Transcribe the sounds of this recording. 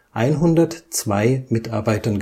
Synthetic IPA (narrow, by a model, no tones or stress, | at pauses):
ʔaɪnɦʊndɐtt͡sv̥aɪmɪtaɐbaɪtɐnɡ